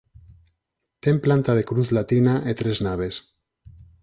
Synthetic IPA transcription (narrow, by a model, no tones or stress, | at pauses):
t̪e̞mplant̪að̞e̞kɾuθlat̪inaʔet̪ɾe̞znaβ̞e̞s